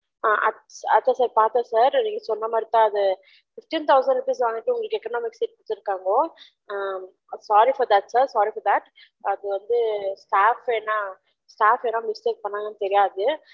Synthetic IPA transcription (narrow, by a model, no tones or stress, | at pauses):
aːʔɐ | ɐt̪ːaːsaːɾpaːɾt̪ẽsaːɾniːŋɡɐsɔnːɐmaːd̪ɾɪt̪ãːɐðɯ | fɪfʈiːnt̪ɐʊsɐɳɖɯpiːs̬ʋaːŋɡɪʈːɯʊŋɡɐɭɯkːɛkːɐnoːmɪksiːʈ̚kʊɽɪt̪ːɪɾɯkːaːŋɡɐoː | saːɾifɔɾd̪ɐʈsaːɾsaːɾifɔɾd̪ɐʈ | ɐðɯʋɐnd̪ɯsʈaːfeːnːãː | sʈaːfenːaːmɪsʈeːk̚pɐɳːaːŋɡɐnːɯt̪ɛɾɪjaːɐðɯ